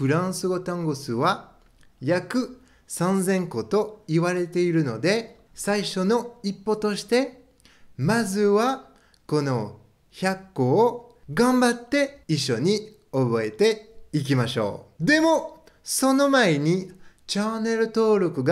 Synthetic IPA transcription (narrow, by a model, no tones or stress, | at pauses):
ɸɯ̟ɾãɰ̃sɨɡo̞t̪ãŋɡosɨβa | jakɯ̟ | sãnzẽ̞ŋko̞t̪o̞iβaɾe̞t̪e̞iɾɯ̟no̞d̪e̞ | saiɕo̞no̞ipːo̞t̪o̞ɕi̥t̪e̞ | mazɨβa | ko̞no̞ | çakːo̞ːɡãmbat̪ːe̞iɕːo̞ɲ̟i | o̞bo̞e̞t̪e̞ik̬ʲimaɕo̞̰ːd̪e̞mo̞ | so̞no̞mae̞ɲ̟i | t͡ɕane̞ɾɯ̟t̪o̞ːɾo̞kɯ̟ɡa